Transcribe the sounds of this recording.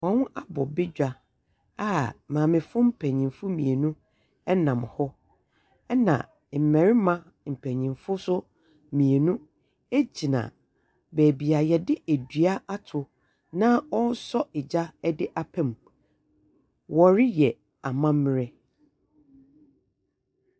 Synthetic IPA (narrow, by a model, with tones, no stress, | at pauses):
wɔ̃˨˦wʊ̃˦a˦bɔ˨bɪ˦d͡ʑᶣa˨ | a˦mãː˨mɪ̃˨fʊ˦m̩˦pʰɛ˨ɲĩ˨mfʊ˦mĩ˨e˨nũ˦ | ɛ˦nã˨m˨hɔ˦ | ɛ˦nã̰˨ | m̩˨mɛ̃˨ɾɪ˦mã˦ | m̩˨pʰɛ˨ɲĩ˨mfʊ˦sʊ˦ | mĩ˨e˨nũ˦ | e˦d͡ʑi˨nã̰˨ | bɛː˨bi˨a˨jɛ˨dɪ˦ʔæ˨dɥa˦a˦tʰʊ˨ | nã˦ɔ˦n˦sɔ˦ɪ˨d͡ʑa˦dɪ˦ʔa˨pʰɛ̃˨m | wɔ˨ɾɪ˦jɛ˨ | a˨mã˦mː˦ɪ˦ɾɛ˦